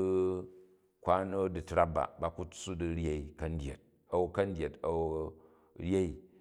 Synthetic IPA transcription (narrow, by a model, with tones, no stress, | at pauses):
kʷa˦no˦di˨tɾa˦b̚ba̰˨ba˨ku˦t͡sːu˦di˨ɾʲe˦i˦kɐ˦n˦dʲe˨t̚ | ɐ˨wu˦kɐ˦n˦dʲje˨tɐ˨wu˦ | ɾʲe˦i˨